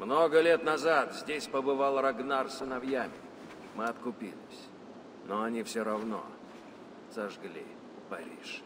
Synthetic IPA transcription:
mnoɡəlʲet̪nɐzat̪zʲdʲesʲpəbɨvalˠrɐɡnarsɨnɐvjamʲɪ | mɨɐt̪kʊpʲilʲɪ̰sʲ | noɐnʲifsʲoɾɐvno̰ | z̥ɐʐɡlʲḭ | pɐɾʲḭʂ

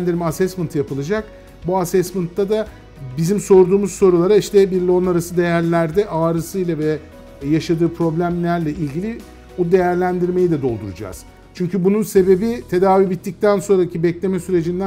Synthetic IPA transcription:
nd̪iɾʲmasɛsmɯnt̪ʰjapɯlˠad͡ʒak̚ | buasɛsmɯnt̪ːad̪a | bizimso̞ɾd̪uːmuzso̞ɾulˠaɾaiʃt̪ʰɛbiɾlʲo̞naɾasɯd̪e̞jæɾlʲæɾd̪ɛʔaːɾɯsɯjlˠavɛ | jaʃad̪ɯːpʰɾo̞blʲæmlʲæɾlʲɛʔilʲɟilʲi | bud̪e̞jæɾlʲænd̪iɾme̞jid̪ɛd̪o̞lˠd̪uɾud͡ʒa̰z̥ | t͡ʃʰyɲcʰybununse̞be̞bit̪ʰe̞d̪aːvibit̪ːic̚t̪ʰænso̞nɾacʰibɛclʲe̞mɛsyɾe̞d͡ʒind̪æ

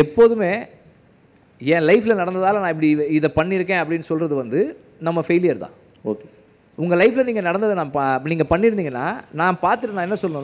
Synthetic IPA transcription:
ɛpːoːðɯmeː | ɛ̃ːlɐɪfɪlɐnɐɽɐnd̪ɐðaːlɐnãːɪpːɐɽiɪðɐpɐɳːɪɾɯkːẽːɐp̬ːɐɽɪnːɯsɔlrɐðɯʋɐnd̪ɯ | nɐmːɐfeɪlɪjɐɾt̪ã̰ː | oːke | ʊŋɡɐlɐɪfɪlɐniːŋɡɐnɐɽɐnd̪ɐðɯnãːpniːŋɡɐpɐɳːɪɾɯnd̪iːŋɡɐnːa̰ːnaːpaːɾt̪ɯʈːnaːɛnːɐsɔlːnɯ̃ː

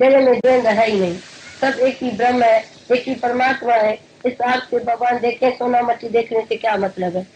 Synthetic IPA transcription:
d͡ʒeɾemẽd͡ʒẽːnd̪əɦɛinəɦĩsəbeːkibɾəmɦɛ | eːkipəɾəmaːt̪maɦɛ̃ | ɪsaːɾt̪ʰkebʱəɡʋaːnd̪eːkʰẽsoːnaməʈːid̪eːkʰnẽsekjamət̪ləbɦɛː

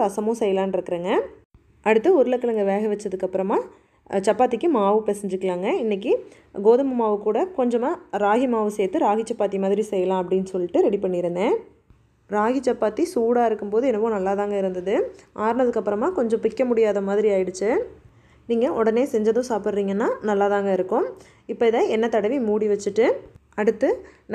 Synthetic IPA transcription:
ɐsɐmõːsɛjːɐlãːnɪɾɯkːɯɾeːŋɡɐ | ʔɐɽɯt̪ːɯɔɾɯlɐkːɐlɐŋɡɐʋeːɣɐʋɐt͡ʃːɐðɯkːɐpːɯɾɐmaː | t͡ʃɐpːaːt̪ːɪkːɯmaːʋɯpɛsɛɲd͡ʒɯkːɐlaːŋɡɐɪnːɛk̬ːi | ɡoːðɐmɯmaːʋɯkːuːɽɐkɔɲd͡ʒɐmaːɾaːɣimaːʋɯseːt̪ːɯɾaːɣit͡ʃɐpːaːt̪ːimaːðɪɾisɛjːɐlãːɐp̬ːɐɽɪnːɯsɔlːɪʈːɯɾɛɽipɐɳːɪɾɯnd̪ẽː | ɾaːɣɪt͡ʃːɐpːaːt̪isuːɽaːɪɾɯkːɯmpoːðɯɛnɐʋõːnɐlːaːðaːŋɡɐɪɾɯnd̪ɐðɯʔaːɾnɐðɯkːɐpːɯɾɐmaːkɔɲd͡ʒɔ̃pɪkːɐmʊɽɪjaːðɐmaːðɪɾiaːjɪɽɯt͡ʃːɯ | niːŋɡɐʔɔɽɐneːsɛɲd͡ʒɐðʊ̃saːpɽɾiːŋɡɐnːaːnɐlːaːðaːŋɡɐɪɾɯkːʊ̃ | ɪpːɐɪðɐɛnːɐt̪ɐɽɐʋimuːɽiʋɐt͡ʃːɯʈːɯ | ɐɽɯt̪ːɯ

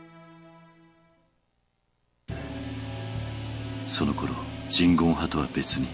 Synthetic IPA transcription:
so̞no̞ko̞ɾo̞̰d͡ʑĩŋɡõ̞ɰ̃hat̪o̞βa̰be̞t͡sɨɲ̟i

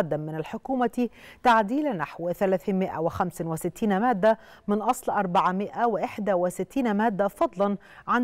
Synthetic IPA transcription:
ɑd̪ːamːɪnalħʊkuːma | t̪aʕd̪iːlnaħwθalaːθiːmɪʔa̰wɪxamsɪnwɪsɪt̪ːiːnmaːd̪ːa | mɪnʔɑsˤlʔɑɾˤbaʕamɪʔawɪʔɪħd̪awɪsɪt̪ːiːnmæːd̪ːafɑd̪ˤlɑn | ʕan

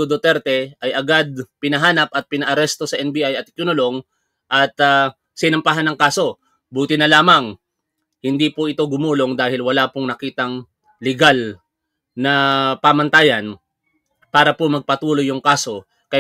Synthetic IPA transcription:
od̪ot̪ɛɾt̪ɛʔɐjʔɐɡad̪̚pɪnɐɦaːnɐpɐt̪̚pɪnɐʔɐɾɛst̪o̞sɐʔɛnbiʔajɐt̪̚ɪkjʊnʊlo̞ŋ | ʔɐt̪a | sɪnɐmpaɦanːɐŋkaːso̞ | buːt̪ɪnɐlaːmɐŋ | hɪnd̪ipoʔɪt̪o̞ɡʊmuːlo̞ŋd̪aːhɪlwɐlaːpoŋnɐkiːt̪ɐŋ | lɪɡal | nɐpamɐnt̪aːjɐn | paːɾɐpomɐɡ̚pɐt̪uːlo̞jːʊŋkaːso̞ | kɐ

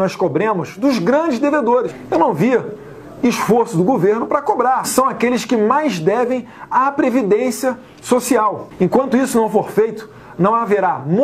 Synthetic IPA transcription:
ɔskobɾẽmʊzd̪ʊzɡɾɐ̃d͡ʒɪzd̪eved̪oɾɪʃewnɐ̃w̃viɐ | iʃfoɾsʊd̪ʊɡoveɾnʊpɾɐkobɾaɾsɐ̃w̃akelɪskɪmajzd̪ɛvẽj̃ | apɾevid̪ẽsiɐ | sosiawẽkwɐ̃nt̪ʊisʊnɐ̃w̃foɾfejt̪ʊ̥ | nɐ̃w̃aveɾam

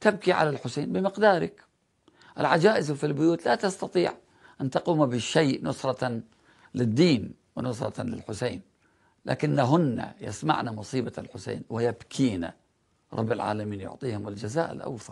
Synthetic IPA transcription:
t̪ab̚kiʕa̰lalħʊseːnbɪmɪqd̪aːɾˤɪk | ʔɪ̰lʕad͡ʒaːʔɪzfilbʊjuːt̪lat̪ast̪ɑt̪ˤiːʕ | ʔant̪ɑquːmabɪʃːejʔnʊsˤɾˤɑ | lɪd̪ːiːn | wɪnʊsˤɾˤɑ̰lɪ̰lħʊseːn | la̰ːkɪnːaɦʊnːa̰jɪ̰sma̰ʕnamʊsˤiːbalħʊsḛːnwɪjabkʰiːna̰ | ɾˤɑ̰bːɪlʕa̰ːlamiːnjʊ̰ʕt̪ˤiːhʊmɪld͡ʒazaːʔɪ̰lʔa̰wθɑɾˤ

